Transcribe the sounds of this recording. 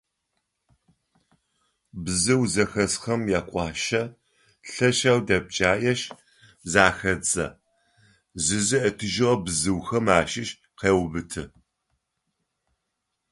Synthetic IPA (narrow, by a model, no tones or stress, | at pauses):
bzɨwzɐxɐsxɐmjaːkʷʼɑːʃɐ | ɬɐʃawdɐb̚t͡ʃʼaːjɐʃ | zaːxɐt͡sʼɐ̰ | zɨzɨʔɐtʰɨʒɨʁɐbzɨwxɐmaːʃɪʃ | qeːwbɨtʰɨ